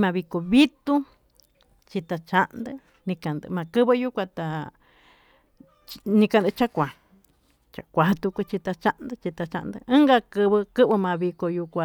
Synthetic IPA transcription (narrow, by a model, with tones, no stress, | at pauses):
mã˧βi˧ko˧βi˦t̪u˦ | t͡ʃi˧t̪a˧t͡ʃa˦ʔnd̪ɨ˧ | nĩ˧kã˨nd̪ɨ̰˧mã˨˧kɨ˦βɨ˧ju˦kʷa˧t̪a˨ | t͡ʃnĩ˧ka˧nd̪ɨ˧t͡ʃa˦kʷa˨ | t͡ʃa̰˨kʷa˨t̪u˧kʷu˧t͡ʃi˧t̪a˧t͡ʃa˦ʔnd̪ɨ˧t͡ʃi˧t̪a˧t͡ʃa̰˧ʔnd̪ɨ̰˧ɨ̃˦ŋɡa˧kɨ˧βɨ˧kɨ˦βɨ˧mã˧βi˧ko˧ju˧kʷa˧